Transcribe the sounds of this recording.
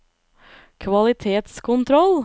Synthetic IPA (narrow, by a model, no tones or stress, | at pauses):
kʰʋɑlɪt̪ʰeːt̪skʰʊnt̪ʰɾɔl